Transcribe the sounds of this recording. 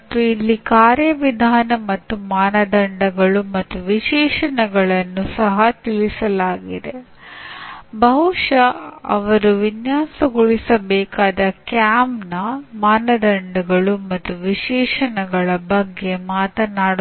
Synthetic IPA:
t̪ːuilːikaːɾjɐʋid̪ʱaːnɐmɐt̪ːumaːnɐd̪ɐɳɖɐɡɐɭumɐt̪ːuʋiʃɛːʂɐnɐɡɐɭɐnːusɐɦɐt̪ilisɐlaːɡid̪e̞ | bɐɦuʂɐɐ̰ʋɐɾuʋinjaːsɐɡuɭisɐbɛːkaːd̪ɐkjaːmnɐmaːnɐd̪ɐɳɖɐɡɐɭumɐt̪ːuʋiʃɛːʂɐnɐɡɐɭɐbɐɡːe̞maːt̪ɐnaːɽ

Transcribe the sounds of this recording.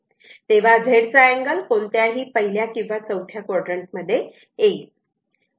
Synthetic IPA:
t̪eʋ̤ad͡zʱeɽt͡saæŋɡəlkoɳt̪jaɦiːpəɦiljakĩw̃ʋat͡səwʈʰjakɔɽɾəɳʈ̚məd̪ʱːje | ei

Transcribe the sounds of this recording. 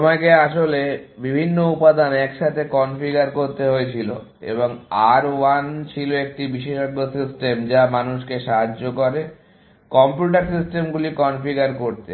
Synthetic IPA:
t̪omakeaʃolebibʱinːoupad̪ʱanɛkʃat̪ʰekɔnfiɡaɾkoɾt̪eɦoet͡ɕʰilo̰ | ḛboŋaɾwant͡ɕʰiloek̚ʈibiʃeʃɔɡːosisʈemd͡ʑamanuʃkeʃaɦaːokoɾe | kɔmpjuʈ̬aɾsisʈemɡulikɔnfiɡaɾkoɾt̪e

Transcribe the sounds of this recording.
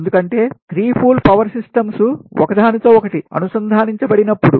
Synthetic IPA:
nd̪ukɐɳʈe̞ːɡ̪ɾiːpʰuːlpɐʋɐɾsisʈɐmsuɔ̰kɐd̪ʱaːnit̪ɐɔkɐʈiɐ̰nusɐnd̪ʱaːniɲt͡ʃɐbɐɽinɐpːuɽu

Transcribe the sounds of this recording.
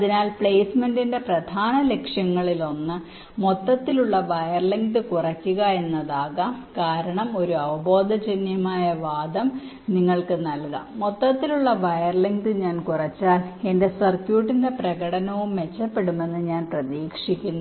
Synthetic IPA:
ɐðinaːlpɭe̞ːsme̞ndinde̞prɐd̪ʱaːnɐle̞kʂjɐŋːɐɭilo̞nːɨ | mo̞t̪ːɐt̪ːiluɭːɐʋɐjɐrliŋɡdɨkurɐkʲːuɣɐe̞nːɐðaːɣɐkaːɾɐɳɐmo̞ɾuɐʋɐbo̞ːd̪ʱɐd͡ʑenjɐmaːjɐʋaːd̪ɐm | niŋːɐɭkɨnɐlkɐ̰mmot̪ːɐt̪ːiluɭːɐʋɐjɐrliŋɡdɨɲaːnkurɐt͡ɕːaːle̞nde̞sɐrkjuːʈːinde̞prɐɣɐɽɐnɐʋumːe̞t͡ɕːɐpːe̞ɽume̞nːɨɲaːnprɐðiːkʂikʲːunːu

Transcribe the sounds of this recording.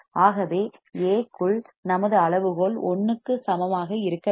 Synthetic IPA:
ʔaːɣɐʋeːeːkːɯɭnɐmɐðɯɐɭɐʋɯɣoːɭɔnːɯkːɯsɐmɐmaːɣɐɪɾɯkːɐ

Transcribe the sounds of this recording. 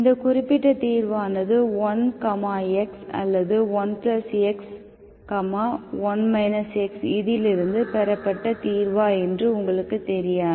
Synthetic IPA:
ɪnd̪ɐkʊrɪpːɪʈːɐt̪iːɾʋaːnɐðɯɔnkɐmaːɛksɐ̰lːɐðɯʋɔnplɐsɛks | kɐmaːʋɔnmɐɪnɐsɛksɪðɪlɪɾɯnd̪ɯpɛɾɐpːɐʈːɐt̪iːɾʋaːɛndrɯʊŋɡɐɭɯkːɯt̪ɛɾɪjaː

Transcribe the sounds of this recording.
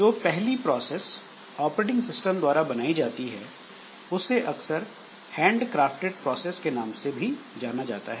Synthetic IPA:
d͡ʒoːpɛɦlipɾɔːsɛːs | ɔːpɾeːʈɪ̃ŋɡsɪsʈə̃md̪waːɾabɐnaːid͡ʒaːt̪iɦɛ | ʊsːeʔɐksəɾ | hɛ̃ːɳɖkɾaːfʈeʈ̚pɾɔːseːskenaːmsebʱid͡ʒaːnad͡ʒa̰ːt̪aɦɛː

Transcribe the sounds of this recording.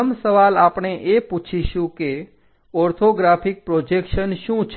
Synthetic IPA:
msəʋalaːpɳeʔeput͡ʃʰiʃũke | ɔɾt̪ʰoɡɾapʰik̚pɾod͡ʒekʃənʃũt͡ʃʰ

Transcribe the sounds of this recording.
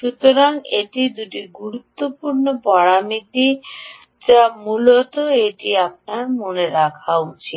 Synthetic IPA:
ʃut̪oɾaŋḛʈid̪uʈiɡuɾut̪ːopuɾnopɔɽamit̪i | t͡ɕamulot̪oeʈiap̚naɾmoneɾakʰawt͡ɕʰi

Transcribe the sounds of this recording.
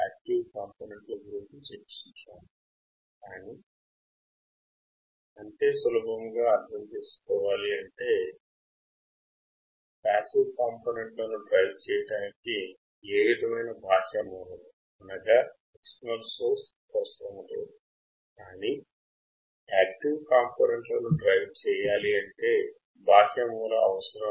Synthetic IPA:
aːk̚ʈiʋkaːmpoːneɳʈloɡuɾint͡ʃit͡ʃepːi̥t͡ʃut͡ʃaːm | kaːni | ɐnt̪eːsɐlubʱɐŋɡaːɐɾd̪ʱɐmt͡ʃe̞ːsu̥kɔːʋaːliɐɳʈe̞ː | paːsikkaːmpoːneɳʈlonuɖɾɐjʋt͡ʃɛːjɐɽaːniki | eːʋid̪ɐmɐjnɐbʱaːʂɐmuːɾɐnu | mɐnɐɡa | ekʂɐnɐlsoːɾspɐsɾɐmud̪u | kaːni | aːk̚ʈiʋkaːmpoːneɳʈlɐnuɖɾɐjʋt͡ʃɛːjaːliɐɳʈe̞ː | bʱaːʂɐmuːɾɐɐʋɐsɐɾɐ

